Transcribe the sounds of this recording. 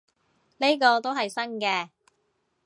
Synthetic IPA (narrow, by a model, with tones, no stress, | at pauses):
le˥kɔː˧t̪o˥wɦɐ˨jsɐ˥ŋkɛː˧